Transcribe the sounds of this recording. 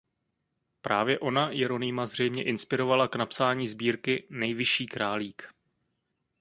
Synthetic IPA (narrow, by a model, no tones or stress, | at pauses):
pɾʔaːvjɛʔo̞najɛɾo̞nɪmazr̝ɛjmɲɛʔɪnspɪɾo̞valaknapsaːɲiːzbiːɾkɪnɛjvɪʃiːkɾaːliːk